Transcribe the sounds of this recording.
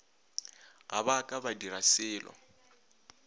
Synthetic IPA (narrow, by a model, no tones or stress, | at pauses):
ɦabakʼabadiɾasɪːlɔ̰